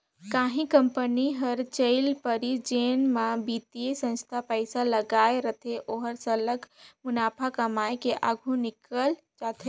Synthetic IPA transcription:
kaːɦĩkəmpəniɦəɾt͡ʃəɪlpəɾid͡ʒeːnmãbiːt̪iesə̃nst̪ʰapəɪsaləɡaːeɾət̪ʰeʔoːɦəɾsələɡmʊnaːpʰakəmaːekeʔaɡʱũnɪkəl | t͡ʃaːt̪ʰe

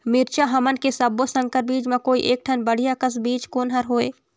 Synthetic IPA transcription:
mɪɾt͡ʃaɦɐmənkesɐbːosə̃ŋkəɾbiːd͡ʒmẽkoːiʔeːk̚ʈʰɐnbɐɽ̤ijakəs̬biːt͡ʃkoːnɦɐɾɦoːeː

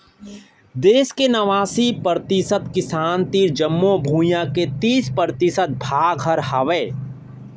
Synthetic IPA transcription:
d̪eːskenɐʋaːsipəɾt̪ɪsət̪kɪsaːnt̪iːɾd͡ʒəmːobʱũːjãket̪iːspəɾt̪ɪsət̪̚bʱaːɡʱɦəɾhaʋeː

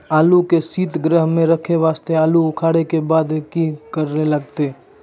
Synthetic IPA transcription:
aːlukesiːt̪ɡɾəɦmẽɾɐkʰeʋaːst̪eaːluʊkʰaːɽekebaːd̪kikɐɾnelɐɡ̚t̪e

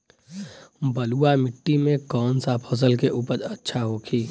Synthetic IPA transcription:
bəluːamɪʈːimẽkɔːnsapʰɔs̬əlkeʔuːpəɾɐtːʃʰaɦokʰiː

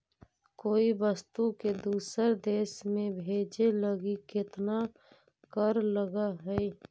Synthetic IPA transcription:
koːibəst̪uked̪uːsəɾd̪eːʃmẽbʱeːd͡ʒeləɡikɪt̪na | kəɾləɡaɦɛi

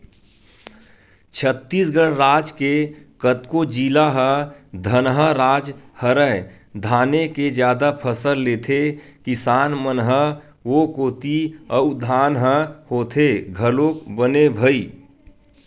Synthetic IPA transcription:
t͡ʃʰət̪ːiːsɡəɽɾaːd͡ʒkekət̪kod͡ʒiːlaɦəd̪ʱənɦəɾaːd͡ʒhəɾə | d̪ʱaːneked͡ʒjaːd̪apʰəsəlleːt̪ʰekɪsaːnmənɦə | ʋokoːt̪iəd̪ʱaːnɦəhoːt̪ʰeɡʱəloːkbənebʱəiː

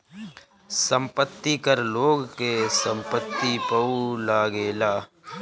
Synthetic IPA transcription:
sə̃mpət̪ːikəɾloːɡkesə̃mpət̪ːipəulaːɡeːlaː

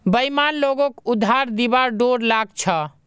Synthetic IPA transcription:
bəimanloɡokud̪ʱaɾd̪ibaɾɖoɾlaɡ̚t͡ʃʰə

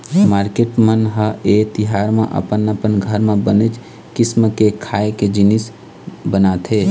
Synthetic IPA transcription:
maːɾkeːʈmənɦəet̪ɪɦaːɾmḛ̃ʔə̰pənəpənɡʱəɾmẽbənəd͡ʒ | kɪsməkekʰaːeked͡ʒɪnis | bənaːt̪ʰɦe

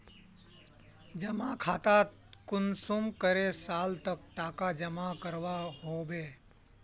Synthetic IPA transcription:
d͡ʒəmakʰaːt̪at̪ | kʊnsumkəɾesaːlt̪ək̚ʈaːkad͡ʒəmakəɾʋaɦobeː

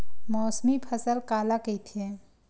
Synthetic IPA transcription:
mɔːsmipʰɐsəlkaːlaket̪ʰiẽ

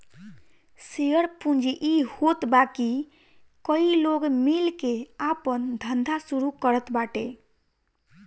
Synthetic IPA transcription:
sijəɽpũnd͡ʒiʔihot̪baki | kəiloɡmilkeapənd̪ʱənd̪ʱasuɾukəɾət̪baʈe

